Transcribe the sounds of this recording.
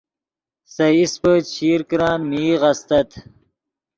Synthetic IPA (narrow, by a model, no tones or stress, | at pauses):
sɐispət͡ɕʰiːɾkɾɑ̃ːnmiːʁɐst̪ɐt̪